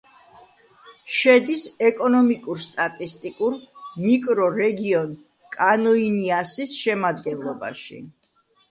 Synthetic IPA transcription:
ʃɛd̪isɛkʼɔnɔmikʼuɾst̪ʼat̪ʼist̪ʼikʼuɾmikʼɾɔɾɛɡiɔn | kʼanɔiniasisʃɛmad̪ɡɛnlˠɔba̰ʃḭ

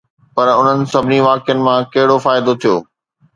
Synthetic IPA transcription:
pɐɾʊn̤ənɪ̆sɐbʱɪniʋaːkjənɪ̆mãkɐɦɪɽofaːɪd̪ot̪ʰijoː

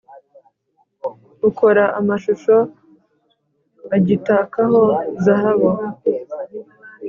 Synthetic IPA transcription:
ukoɾaʔamaʃuʃo̞ | aɟitaːkaɦo̞zaɦaβo

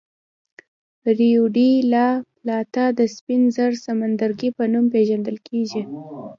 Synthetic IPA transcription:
ɾiuɖilaplɑt̪ad̪əspinzəɾsamand̪aɾɡipənumpeʒand̪əlkʰeʒi

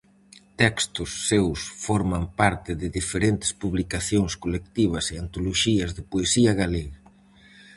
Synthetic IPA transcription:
t̪ɛkst̪ʊsːewsfɔɾmampaɾt̪ɪðɪðifeɾent̪ɪ̥spuβlikaθjoŋskolek̚t̪iβ̞ɐsɪant̪oloʃiɐzðɪpoesiɐɣaleɣa

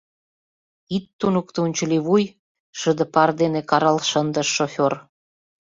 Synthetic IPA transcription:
it̪ːunukt̪unʲt͡ɕə̆liβuj | ʃə̆d̪ə̆pɑrd̪enekɑɾɑlʃənd̪əʃːofʲor

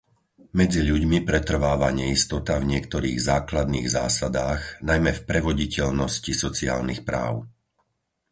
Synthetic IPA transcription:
mɛd͡ziʎuɟmipɾɛt̪r̩ʋaːʋaɲɛist̪ɔt̪avɲɪɛkt̪ɔɾḭːɣzaːklad̪nḭːɣza̰ːsad̪aːɣnajmɛfpɾɛʋɔɟicɛʎnɔscisɔt͡sia̰ːlnixpɾa̰ːʊ

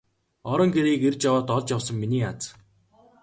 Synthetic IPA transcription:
ɔɾɞ̆ŋɡeɾiːkert͡ɕjawaːt̪ɔɮt͡ɕjawsə̆ŋminiːat͡s

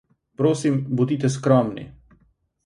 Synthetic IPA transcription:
pɾoːsimbud̪iːt̪ɛskɾɔːmnḭ

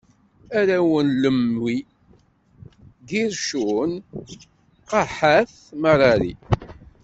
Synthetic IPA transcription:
æɾæwənləmi | ɡiɾʃun | qɑħaθ | məɾˤɑɾḭ

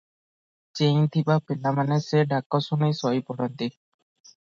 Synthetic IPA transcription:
t͡ʃẽt̪ʰibapilamaneseɖakːɔsunejsɔjpɔɽɔnt̪i

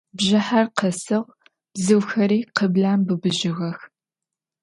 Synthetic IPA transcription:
bʑɪħarqəsɨʁ | b̥zɨwxɐɾiːqəbɮaːmbɨbɨʑɪɣɐx

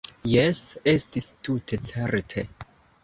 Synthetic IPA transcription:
jese̞stistutʰe̞t͡seɾtʰe

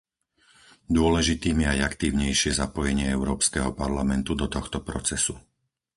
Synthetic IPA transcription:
d̪ʊɔlɛʒit̪iːmɪɛajakt̪iːʊɲɛjʃɪɛzapɔjɛɲɪɛɛʊɾɔːpskɛɦɔpaɾlamɛnt̪ud̪ɔt̪ɔxt̪ɔpɾɔt͡sɛsu

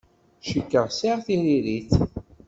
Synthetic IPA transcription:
ʃəkːəʁsiʁθiɾiɾiθ

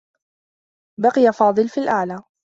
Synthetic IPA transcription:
bɑqɪjafɑːd̪ˤɨlfiːlʔaʕlaː

